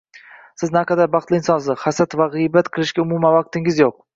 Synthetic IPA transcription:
sɪznaqʰɑd̪aɾbɑχt̪lɪɪnsɒnsɪχasat̪vaʁɨjbat̪qʰɨlˠɪʃkʲaʊmumanvɑq̚t̪ɪŋɪzjoq̚

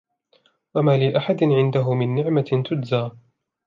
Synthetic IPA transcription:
wamaːlɪʔaħad̪ɪnʕɪnd̪aɦʊmɪnːɪʕmat̪ʊdzaː

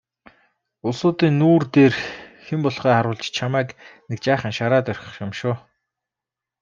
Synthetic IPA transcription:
ʊsʊːt̪iːnːuːrt̪eːrxempɔɮχœːχaɾʊːɮt͡ɕt͡ɕʰamæːknek̚t͡ɕæːχə̆nʃaɾaːt̪œrʲxʲə̥̆χjamʃʊː

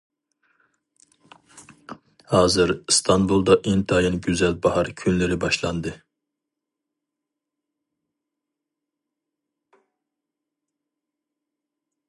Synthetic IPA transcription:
hɑːzɨɾst̪ʰɑnbulˠd̪ɑʔent̪ʰɑjɨnɡʲyzɛlbɑhɑɾkʲʰynlɪɾɪbɑʃlˠɑnd̪ɨ

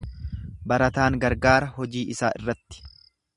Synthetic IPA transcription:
bɐɾɐt̪aːŋɡɐɾɡaːɾɐhɔd͡ʒiːʔɪsa̰ːʔɪ̰rːɐt̪ːɪ̥

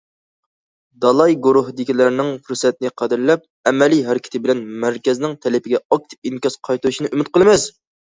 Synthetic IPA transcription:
d̪ɑlˠɑjɡuɾuɦd̪ɪkʲilæɾnɪŋfuɾsɛt̪̚nɪqʰɑd̪ɪɾlɛp̚ | ɛmɛliɦæɾkʲʰɪ̥t̪ʰɪbɪlɛnmæɾkʲɛznɪŋt̪ʰɛlɪpɪɡʲɛɑk̚t̪ʰɪ̥p̚iŋkʲɑsqʰɑjt̪uɾuʃinɨʔymɪt̪̚qəlˠɨmɛs

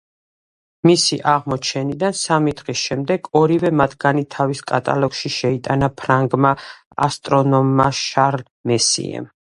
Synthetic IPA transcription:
misiʔaʁmɔt͡ʃʰɛnid̪ansamid̪ʁisʃɛmd̪ɛɡɔɾivɛmat̪ʰɡ̥anit̪ʰaviskʼat̪ʼa̰lɔɡ̥ʃiʃɛit̪ʼanapʰɾaŋɡma | a̰st̪ʼɾɔnɔmːaʃaɾl | mɛsḭɛ̰m

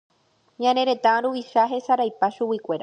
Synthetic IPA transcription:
ɲãne̞ɾe̞t̪ãɾuiʃaɦe̞saɾajpaʃuwikʷe̞ɾa

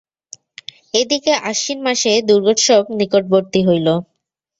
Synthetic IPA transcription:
ed̪ikeʔaʃinmaʃed̪uɾɡoʈʃɔb̚nikoʈ̚boɾt̪iɦojlo

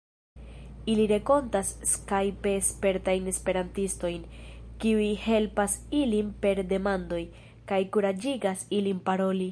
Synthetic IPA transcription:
iliɾe̞ko̞ntasːkajpe̞spe̞ɾtajne̞spe̞ɾantisto̞jnkiujhe̞lpasilinpe̞ɾde̞mando̞j | kajkuɾad͡ʒiɡasilimpaɾo̞li

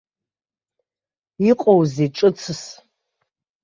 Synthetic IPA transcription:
iqʼowziʈ͡ʂʼɨt͡sʰɨs

